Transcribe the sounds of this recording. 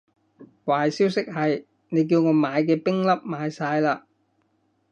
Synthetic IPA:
waː˨jsiː˥wsɪ˥k̚hɐ˨j | ne˨˧jk̬iː˧wŋɔː˨˧maː˨˧jk̬ɛː˧pɪ˥ŋlɐ˥p̚maː˨˧jsaː˧jlaː˧

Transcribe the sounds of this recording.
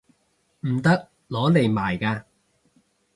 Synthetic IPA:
m̩˨˩t̪ɐ˥k̚ | lɔː˨˥le˨˩jmaː˨˩jkaː˧

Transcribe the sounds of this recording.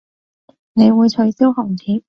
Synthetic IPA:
ne˨˧jwuː˨˧jt͡ʃʰɵ˨˧˥ɥsi˥whɔː˨˩ŋt͡sʰiː˨˥

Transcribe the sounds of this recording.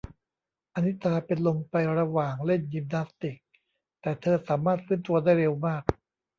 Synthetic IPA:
ʔa˧ni˦˥t̪ʰaː˧pe˧nlo˧ŋpa˧jɾa˧waː˨˩ŋle˥˩nɡi˧m̚na˦˥st̪i˨˩k̚ | t̪ɛː˨˩t̪ʰɤː˧saː˩˦maː˥˩t̪̚fɯː˦˥˨nt̪u˧ɐdaː˥˩jɾe˧wmaː˥˩k̚

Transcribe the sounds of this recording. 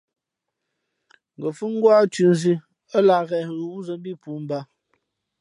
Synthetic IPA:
ŋ̩˨ɡə˨fʉ˦ŋ˦ɡwa˦t͡ʃʉ˨n˦zi˦ | ə˦la˨ɣɛ˨ɣu˨wu˦zə˨m˦bi˦pu˨˦m̩˦ba˦

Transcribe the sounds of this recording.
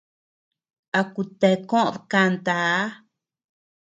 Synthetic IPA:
a˧ku˧t̪e˧kõ˦ʔðka˧nt̪a˨˦

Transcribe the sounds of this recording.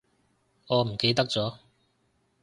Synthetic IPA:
ŋɔː˨˧m̩˨˩ke˨˧jt̪ɐ˥k̚t͡sɔː˨˥

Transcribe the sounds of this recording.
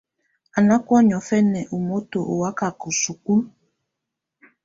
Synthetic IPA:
a˨na˦kwɔ˦ɲɔ˨fɛ˦nɛ˨ʔu˨mo˦to˨ʔo˨wa˦ka˨ko˨su˨ku˦l

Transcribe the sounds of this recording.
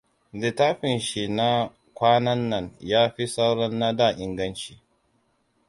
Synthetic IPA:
di˨taː˦ɸɪ˨nʃi˨na˦ | kʷaː˦nɐ˦nːɐ˨ɲjaː˦ɸi˦sa˦wɽɔ˦nːa˦daː˦˨ʔɪ˨ŋɡɐ˦nt͡ʃi̥ː˨

